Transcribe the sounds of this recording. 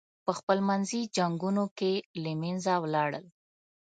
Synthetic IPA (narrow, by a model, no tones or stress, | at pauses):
pəxpəlmanzid͡ʒaŋɡunokelemenzawlɑɽə̰l